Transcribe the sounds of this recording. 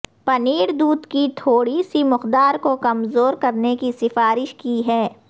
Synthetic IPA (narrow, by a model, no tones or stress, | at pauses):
pɐniːɾd̪uːd̪kit̪ʰoːɽisimʊqd̪aːɾkokɐmzoːɾkɐɾnekisɪfaːɾɪʃkiɦɛː